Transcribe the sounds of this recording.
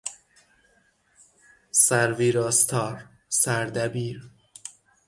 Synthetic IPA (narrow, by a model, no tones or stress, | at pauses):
sæɾviːɾɒːst̪ʰɒːɾ | sæɾd̪æbiːɾ